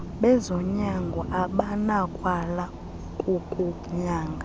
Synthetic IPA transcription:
ɓɛzɔɲaŋɡʱɔʔaɓanakʼwala | kʼukʼu | ɲaːŋɡʱa

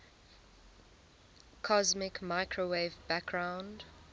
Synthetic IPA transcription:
kʰɔzmɪkmaɪkʰɹoweɪvbæk̚ɡ̥ɹãʊ̃nd

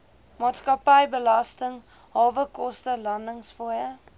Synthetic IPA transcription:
mɑːtskɐpəjbəlɐstəŋ | ɦɑːvəkɔstəlɐndəŋsfujə

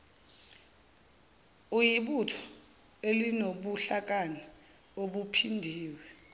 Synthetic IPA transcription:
ujiɓutʰɔ̥ | elinoɓuɬak̬ʼani | oɓupʰindʱiːwɛ

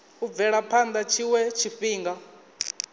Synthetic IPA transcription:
ub̪vɛɺapʰand̪at͡ʃʰiwɛt͡ʃʰiɸiːŋɡa

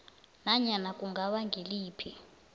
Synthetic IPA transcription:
naɲanakʼuŋɡʱaɓaŋɡʱiliːpʰi

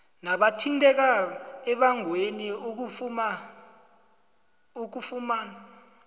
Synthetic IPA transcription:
naɓatʰintʼɛk̬aɛɓaŋweniok̬ufm | ok̬ufumaːna

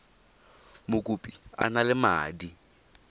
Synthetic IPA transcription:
mʊkʼupʼia̰nalɪma̰ːdi

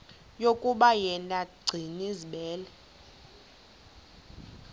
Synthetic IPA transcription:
jokʼuɓajɛnaɡ͡ǀʱiniziɓɛːlɛ

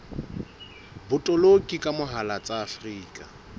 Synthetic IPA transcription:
bʊtʼɔlokʼikʼamʊɦalat͡sʼaːfriːkʼa

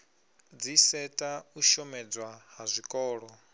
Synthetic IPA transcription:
d͡zisɛtʼauʃɔmɛd͡zwaɦazʷikʼɔːɺɔ

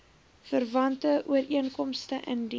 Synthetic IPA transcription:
fərvɐntəʔuəɾiənkɔmstəʔəndi

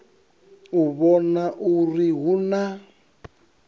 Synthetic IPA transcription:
uβɔnaʔuriɦuna

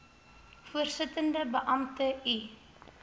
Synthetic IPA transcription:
fuərsətəndəbəʔɐmtəi

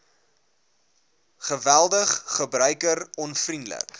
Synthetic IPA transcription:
χəvælˠdəχːəbrœɥkərɔnfrindlə̰k

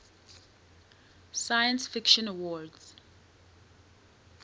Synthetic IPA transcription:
sajə̃nsfikʃɔ̃nawɔdz̥

